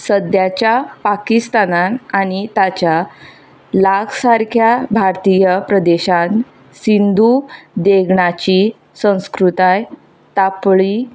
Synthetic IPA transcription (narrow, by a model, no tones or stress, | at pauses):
səd̪jat͡ɕjapakist̪ananaɽ̃it̪at͡ɕja | laɡsaɾkʰjabʱaɾt̪ijəpɾəd̪eɕãn | sind̪ʱud̪eɡɳat͡ɕi | sə̃w̃skɾut̪aj | t̪apɭi